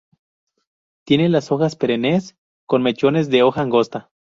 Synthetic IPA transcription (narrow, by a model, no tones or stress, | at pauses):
t̪je̞nelaso̞xaspe̞ɾenes | ko̞nme̞t͡ʃo̞ne̞zðe̞o̞xaːŋɡo̞st̪a